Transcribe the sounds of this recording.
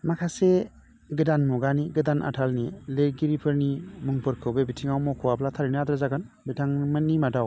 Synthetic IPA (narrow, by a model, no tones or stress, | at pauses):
makʰase | ɡɯdanmɔɡaniɡɯdanʔa̰tʰalnileɾɡiɾipʰɯɾnimɯŋpʰɯɾkʰɯwbebitʰiŋawmɔkʰɔwaplatʰaɾiniad̪ɾazaɡan | bitʰaŋmanːimadaw